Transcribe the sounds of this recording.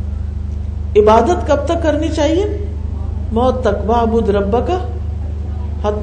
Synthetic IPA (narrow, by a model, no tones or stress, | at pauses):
ɪbaːd̪ət̪kɐb̚t̪ɐkːɐɾnit͡ʃaːɦie | mɔːt̪ːɐkʋaːbud̪ɾɐbːəka | hɐt̪